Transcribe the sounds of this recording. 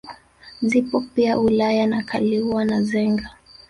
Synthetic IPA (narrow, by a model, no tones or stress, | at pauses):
zipɔpiaulajanakaliuwanazɛŋɡa